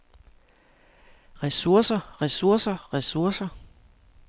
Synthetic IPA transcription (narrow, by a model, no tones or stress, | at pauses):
ʁɛsuɐ̰sɐʁɛsuɐ̰sɐʁɛsuɐsɐ